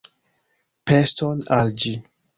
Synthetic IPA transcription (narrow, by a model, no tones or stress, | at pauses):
pestonald͡ʒi